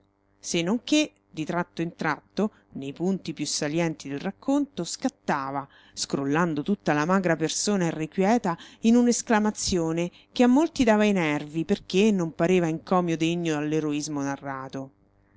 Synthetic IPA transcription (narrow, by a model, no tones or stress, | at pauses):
senːoŋke | d̪it̪ɾat̪ːoint̪ɾat̪ːo | nejpunt̪ipjusːaljɛnt̪id̪elrakʰːont̪oskat̪ːaːva | skɾolːand̪ot̪ut̪ːalamaːɡɾapersoːnaerːekwjɛːt̪ainunesklamat̪sːjoːne | keamːolt̪id̪aːvainɛrviperk̟enːompaɾeːvaiŋkɔːmjod̪eɲːodalːeɾoizmonarːaːt̪o